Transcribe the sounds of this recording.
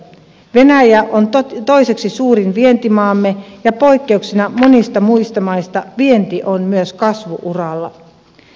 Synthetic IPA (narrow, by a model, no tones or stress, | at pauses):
ʋe̞næjæʔʔont̪o̞jse̞ksisuːɾinʋie̞nt̪imɑːmːejɑpo̞jkːe̞uksinɑmo̞nist̪ɑmuist̪ɑmɑjst̪ɑʋie̞nt̪iʔo̞nmyøskɑsʋuʔurɑlːɑ